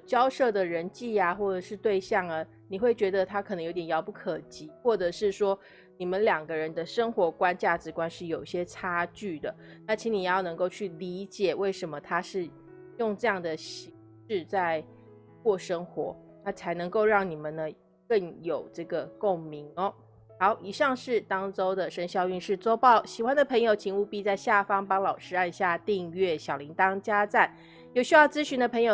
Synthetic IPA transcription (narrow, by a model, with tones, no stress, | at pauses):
t͡ɕjɑ˥ʊʂɤ˥˩d̪ə˨ɻə˧˥nt͡ɕi˥˩a˩xwɔ˥˩ʈ͡ʂɤ˨˩ʂɻ̩˥˧t̪we˥˧ɪɕjɑ˥˩ŋa˨ | ni˨˩xwe˥˩ɪt͡ɕɥɛ˧˥d̪ə˧t̪ʰa˥kʰnə˧˦ŋjo˧˥ʊt̪jɛ˨˩jɑ˧˥ʊpu˥˩kʰə˨˩t͡ɕi˧˥˦xwɔ˥˩ʈ͡ʂɤ˨˩ʂɻ̩˥˩ʂwɔ˥ | ni˨˩mə˦nljɑ˨˩ŋɡə˦ɻə˧˦nd̪ə˧ʂə˥ŋxwɔ˧˥kwa˦˥nt͡ɕja˥˩ʈ͡ʂɻ̩˧˥kwa˥nʂɻ̩˥˩jo˨˩ʊi˥˩ɕjɛ˥ʈ͡ʂʰa˥t͡ɕy˥˩d̪ə˩na˥˩t͡ɕʰi˧˥ni˨˩jjɑ˥˩nɤ˧˦ŋko˥˧ʊt͡ɕʰy˥˩li˧˥t͡ɕjɛ˨˩we˥˩ɪʂə˧˥nmə˧t̪ʰa˥ʂɻ̩˥˧ | jʊ˥˧ŋʈ͡ʂɤ˥˧jɑ˥˩ŋd̪ə˩ɕi˧˥ŋ | ʂɻ̩˥˧t͡sa˥˧ɪ | kwɔ˥˩ʂə˥ŋxwɔ˧˥˦ | t̪ʰa˥t͡sʰa˧˥ɪnɤ˧˥ŋko˥˧ʊɻɑ˥˩ŋni˨˩mə˨nːə˦ | kə˥˩ŋjo˨˩ʊʈ͡ʂɤ˥˩ɡə˩ko˥˩ŋmi˧˥ŋɔ˧˦ | hɑ˧˥ʊʔi˨˩ʂɑ˥˧ŋʂɻ̩˥˩t̪ɑ˥ŋʈ͡ʂo˥ʊd̪ə˨ʂə˥nɕjɑ˥˧ʊy˥˧nʂɻ̩˥˩t͡swɔ˥ʊpɑ˥˩ʊɕi˨˩xwa˧˥nd̪ə˨pʰə˧˥ŋjo˨˩ʊt͡ɕʰi˧˥ŋu˥˧pi˥˧t͡sa˥˧ɪɕja˥˩fɑ˥ŋpɑ˥ŋlɑ˨˩ʊʂɻ̩˥a˥˧nɕja˥˧t̪i˥˧ŋɥɛ˥˩ɕjɑ˨˩ʊli˧˥ŋt̪ɑ˥ŋt͡ɕja˥t͡sa˥˩n | jo˧˩ɕy˥jɑ˥˩ʊt͡sɹ̩˥ɕy˧˥nd̪ə˨pʰə˧˥ŋjo˨˩